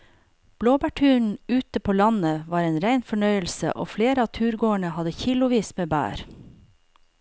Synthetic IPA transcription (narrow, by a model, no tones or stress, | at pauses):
b̥loːbæːʈʰʉːɳ̩ʉːt̪əpʰoːlɑnəʋɑːɾeːnɾæɪnfɔɳœʏəlsə̰ʔo̰ːfleːɾəɑːt̪ʰʉːɾɡoːəɳəhɑd̪əçɪlʊʋiːsmeːbæ̰ːɾ